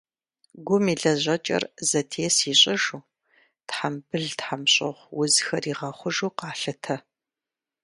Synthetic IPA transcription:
ɡʷʊmiːɮɐʑʷɐt͡ʃʼɐ̰rzɐtʰeːsiːɕʼɪʒuː | tħambɨɮtħamɕʼɪʁʷwʊzxɐriːʁɐχʷʊʒuːqɑːɬɨtʰɐ

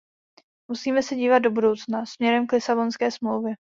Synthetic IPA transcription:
musiːmɛsɛɟiːvad̪̚do̞budo̞wt͡snasmɲɛɾɛmklɪsabo̞nskɛːsmlowvjɛ

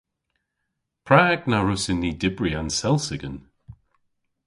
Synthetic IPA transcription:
pʰɹaːɡnaɹʊsɪnːidɪbɹiansɛlˠsɪɡən

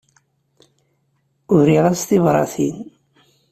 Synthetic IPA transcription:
ʊɾiʁæst̪ivɾˤɑ̰θin

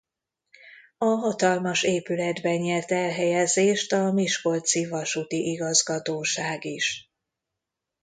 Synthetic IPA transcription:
ɒɦɒt̪ɒlmɒʃeːpylɛd̪bɛɲɲɛrt̪ɛlɦɛjɛzeːʃt̪ɒmiʃko̞lt̪sivɒʃut̪iʔiɡɒzɡɒt̪oːʃaːɡiʃ

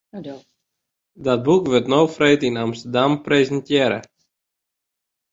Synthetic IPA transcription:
dɔt̚bukʋɪtnowfrejtɪnamst̪əɹdamprejzəntjɛːɾə̰

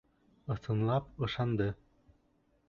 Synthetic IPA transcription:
ɤ̆θɤ̆nlˠɑpɤ̆ʃɑnd̪ɤ

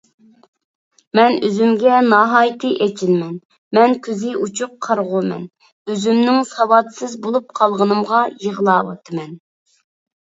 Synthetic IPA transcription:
mɛnøzymɡʲɛnɑɦɑːjt̪ʰɨʔet͡ʃʰilmɛn | mɛnkʲʰyzɪʔut͡ʃʰuqʰːɑɾʁʊmɛ̰n | øzymnɪŋsɑwɑt̪sɨzbolˠup̚qʰɑlˠʁənɨmʁɑjəʁlˠɑːwɑ̰t̪ʰɨmɛn

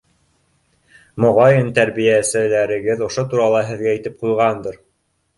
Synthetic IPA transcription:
mŏʁɑjɤnt̪æɾβijæsɘ̆læɾɘ̆ɡɘðŏʃot̪uɾɑlˠɑɦɘ̆ðɡæit̪ɘp̚qujʁɑnd̪ɤɾ

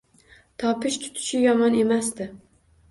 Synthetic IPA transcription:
t̪ʰɒpʰɪʃt̪ʰʊ̥t̪ʰɪ̥ʃɪjɒmɒne̞masd̪ɪ

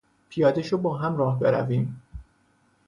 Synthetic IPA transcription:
pʰijɒːd̪eʃobɒːɦæmɾɒːhbeɾæ̰viːm

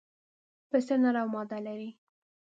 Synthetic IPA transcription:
pəst̪ənaɾawmɑd̪alaɾi

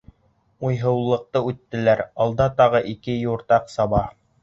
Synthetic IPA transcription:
ujɦɤ̆wlˠːɤ̆q̚t̪ɤʉt̪ːɘ̆læɾɑlˠd̪ɑt̪ɑʁɤʔikɘjuɾt̪ɑqsɑβɑ

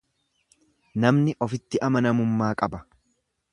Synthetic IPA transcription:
nɐmnɪʔɔfɪt̪ːɪʔɐmɐnɐmʊmːaːkʼɐbɐ

